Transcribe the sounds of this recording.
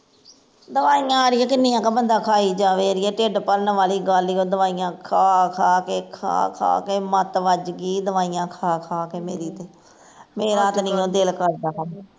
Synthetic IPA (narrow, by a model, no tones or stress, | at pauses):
d̪əʋaːiːãːɾɪjãːkɪnːiːãːkeːbənd̪aːkʰaːiːd͡ʒaːʋeːɾɪːɛːʈeːɖpəɾnʋaːliːɡaːliːoːd̪əʋaːijãːkʰaːkʰaːkeːkʰa̰ːkʰa̰ːkeːmət̪ʋəd͡ʒɡiːd̪əʋaːijãːkʰaːkʰaːkeːmeːɾiːt̪eː | meːɾaːt̪nɪːõːd̪ɪlkəɾd̪aːɦə